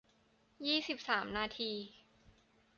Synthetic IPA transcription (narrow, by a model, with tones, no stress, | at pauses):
jiː˥˩si˨˩p̚saː˩˦mnaː˧t̪ʰiː˧